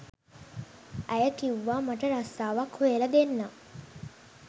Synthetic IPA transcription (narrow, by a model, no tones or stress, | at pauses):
ʔæjəkiʋːaːmɐʈəɾast̪aːʋakhojelɐd̪enːaː